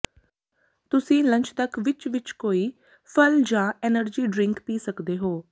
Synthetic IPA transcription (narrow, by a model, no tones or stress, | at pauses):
t̪ʊsĩːlə̃ɲt͡ʃt̪əkʋɪt͡ʃʋɪt͡ʃkoːiː | pʰəld͡ʒãːɛːnəɾd͡ʒiːɖɾɪŋkpiːsəkd̪eːɦoː